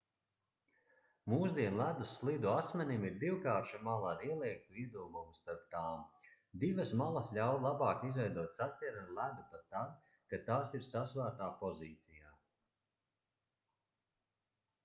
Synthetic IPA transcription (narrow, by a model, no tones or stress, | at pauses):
muːsd̪iɛnlˠæd̪uslˠid̪uasmɛnimiɾd̪iwkaːɾʃamalˠaɾiɛlˠiɛk̚t̪uiɛd̪uɔɡumst̪aɾp̚t̪aːm | d̪ivɐsmalˠasʎʲawlˠabɑːkizvʲɛjd̪uɔt̪sat̪ʲtʲɛɾanlˠæd̪upat̪ːad̪ | kat̪aːsiɾsasvæːɾt̪aːpɔziːt̪sijaː